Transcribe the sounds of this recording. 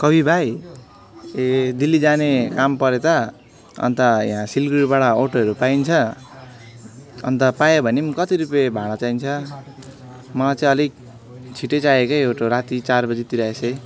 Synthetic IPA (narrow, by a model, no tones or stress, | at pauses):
kʌbʱibʱaj | ed̪ilːid͡zanekampʌɾet̪ʌ | ʌ̰nt̪ʌj̰ɦãsilɡiɽbaɽʌoʈoʌɾupajnt͡sʰʌ | ʌ̰nt̪ʌpajebʱʌnimkʌt̪iɾupebʱaɽ̃ʌt͡saint͡sʰʌ | mʌt͡saĩʌli | t͡sʰiʈet͡sajekʌjewʈoɾat̪it͡sarbʌd͡zit̪iɾaesʰʌj